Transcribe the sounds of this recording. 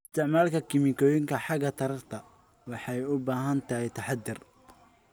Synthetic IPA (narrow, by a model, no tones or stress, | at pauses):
ɪst̪ʰɪʕmaːlkʰɐkʰɪmɪkʰɔːjɪŋkʰɐħɑɡɐt̪ʰɐɾɐrt̪ʰɐ | wɑħɑjʊbaːɦɐnt̪ʰɐhɛjt̪ʰɐħɑd̪ɪr